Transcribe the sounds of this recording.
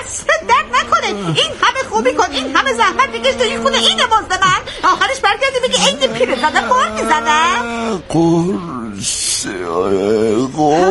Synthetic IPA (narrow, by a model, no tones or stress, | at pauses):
æsɾed̪̚d̪æɾd̪̚nækʰoneiːnhæmexubikonʔinɦæmezæhmæt̪̚b̪iɡʲeʃd̪oixud̪eiːnemɒːzbemænɒːxæɾeʃbæɾɡʲæɾd̪ibeɡʲiejd̪ipʰiɾed̪zad̪æmbɒːɾmizæd̪æqo | o